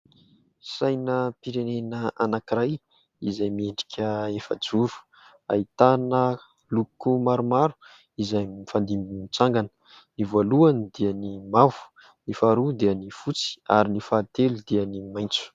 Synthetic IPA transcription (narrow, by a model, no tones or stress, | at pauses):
sajnəpiɾenenəanakiɾaj | izajmieɳɖ͡ʐi̥kʲʰəefə̰d͡zuɾu̥ | a̰it̪anə | lukumaɾumaɾu̥ | izajmifand̪imbinit͡saŋɡanə̥ | nivoluanid̪iənimavu̥ | nifaɾud̪iənifut͡si̥a̰ɾinifaːt̪elud̪iənimajnt͡su̥